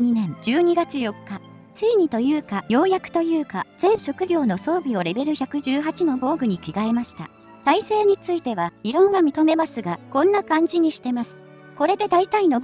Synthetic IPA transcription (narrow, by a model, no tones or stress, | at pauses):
ɲinẽ̞nd͡ʑɨːɲ̟iɡat͡sɨjo̞kːa | t͡sɨiɲ̟it̪o̞jɯ̟ːkajo̞ːjakɯ̥t̪o̞jɯːkad͡zẽ̞ɰ̃ɕo̞kɯ̟ɡʲo̞ːno̞so̞ːbʲio̞ɾe̞be̞ɾɯ̟çakɯ̟ʑɨːɦat͡ɕino̞bo̞ːɡɯ̟ɲ̟ikʲiɡae̞maɕi̥t̪a̰ | t̪aise̞ːɲ̟it͡sɨit̪e̞βaiɾõ̞ɰ̃ɡamʲit̪o̞me̞masɨɡakõ̞nːakãɲ̟d͡ʑiɲ̟iɕi̥t̪e̞masɨ̥ | ko̞ɾe̞d̪e̞d̪ait̪aino̞